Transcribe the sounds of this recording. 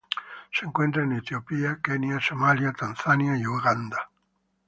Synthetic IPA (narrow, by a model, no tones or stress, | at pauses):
seŋkwent̪ɾaenet̪jopiakenjasomaljat̪anθanjaeoɡand̪a